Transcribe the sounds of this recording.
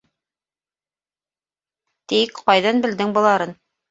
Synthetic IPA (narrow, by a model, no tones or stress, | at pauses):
t̪ikqɑjðɑnbɘ̆ld̪ɘŋbɤ̆lˠɑɾɤn